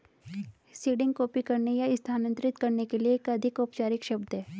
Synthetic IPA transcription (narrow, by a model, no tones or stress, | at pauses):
siːɖɪ̃ŋɡkoːpikɐɾnejaɪst̪ʰaːnə̃nt̪ɾɪt̪kɐɾnekelieːkɐd̪ʱɪkʊpt͡ʃaːɾɪkʃɐbd̪ɦɛː